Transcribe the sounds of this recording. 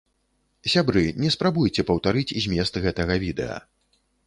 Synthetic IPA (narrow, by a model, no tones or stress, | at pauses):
sʲabɾɨnʲɛspɾabujt͡sʲɛpɐwt̪aɾɨt͡sʲizʲmʲɛst̪ɣɛt̪ɐɣɐvʲid̪ɛ̰ɐ̰